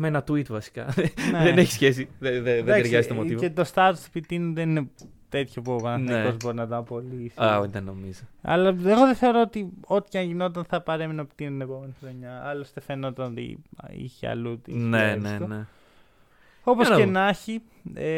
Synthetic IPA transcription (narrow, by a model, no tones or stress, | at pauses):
meenɐt̪uit̪vɐsi̥kɐ̰nðeneçi̥sçes̬iðeðeðdɐɾsʝɐzit̪omoivet̪o̞st̪ɐt̪osu̥pit̪inuðenine | t̪e̞t̪çopovɐnɐpozbo̞ɾinɐt̪oɐpo̞lisiaðenomizoɐ̰lɐeɣo̞ðeθeo̞ɾoot̪io̞t̪i̥cɐnʝinot̪ɐnθɐpɐɾe̞minopi̥t̪inet̪ine̞po̞me̞nixɾo̞ɲɐɐlost̪efe̞no̞t̪ɐnot̪ḭḭçiɐ̰lut̪ḭsnenset̪one | o̞posenɐçi | e